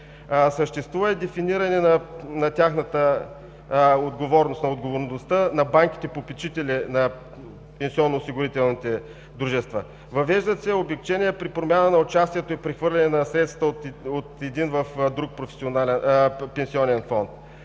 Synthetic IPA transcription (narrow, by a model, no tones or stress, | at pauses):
səʃt̪ɛst̪vuvəɛd̪ɛfiniɾɐnɛnɐnɐt̪ʲaxnət̪ə | od̪ɡovɔɾnost̪nɐod̪ɡovoɾnost̪ənɐbaŋki̥t̪ɛpopɛt͡ʃit̪ɛlɛnɐ | pɛnsiɔnːoːsiɡʊɾit̪ɛlˠnit̪ɛ | d̪ɾuʒɛst̪və | vɐvɛʒd̪ət̪sɛobɛkt͡ʃɛniɛpɾipɾomʲjanənɐot͡ʃast̪iɛt̪oipɾɛxvɤɾlʲɛnɛnɐsɾɛt̪sət̪ot̪ɛd̪invəfd̪ɾuk̚pɾofɛ̥sionalɛnpɛnsiɔnɛnfɔnt̪